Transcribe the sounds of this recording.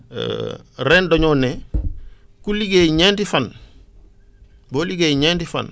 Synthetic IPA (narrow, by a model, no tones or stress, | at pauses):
ɾeːndoɲoːne | kuliɡeːɲentifɐn | boːliɡeːɲeːntifɐ̰n